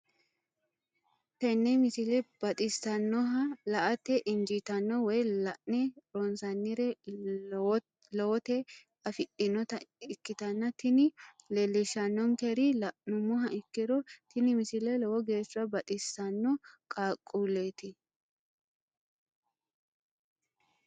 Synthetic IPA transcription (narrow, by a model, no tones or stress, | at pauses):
t̪ɛnːɛmɪsɪlɛbɐt̪ʼɪstɐnːɔɦɐlɐʔɐt̪ːɛʔɪnd͡ʒit̪ɐnːɔwɔjlɐʔnɛɾɔnsɐnːɪɾɛ | lɔwɔt̪ɛ | ɐfɪʔɪnɔt̪ɐɪkːɪt̪ɐnːɐt̪ɪnɪlɛlːɪʃɐnːɔŋkɛɾɪnʊmːɔɦɐɪkːɪɾɔt̪ɪnɪmɪsɪlɛlɔwɔɡe̞ːt͡ʃːʊwɐbɐt̪ʼɪsɐnːɔkʼaːkʼːuːlːeːt̪ɪ